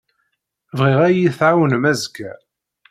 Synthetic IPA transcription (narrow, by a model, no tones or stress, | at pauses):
vʁiʁæjiθʕawənmæzɡæ